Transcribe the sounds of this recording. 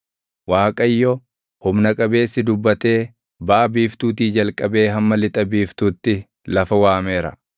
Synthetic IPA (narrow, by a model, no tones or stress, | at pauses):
waːkʼɐjːɔ | hʊmnɐkʼɐbe̞ːsːɪd̪ʊbːɐt̪e̞ː | bɐʔɐbiːft̪uːt̪iːd͡ʒɐlkʼɐbe̞ːɦɐmːɐlɪt̪ʼɐbiːft̪uːt̪ːɪ | lɐfɐwaːme̞ːɾɐ̰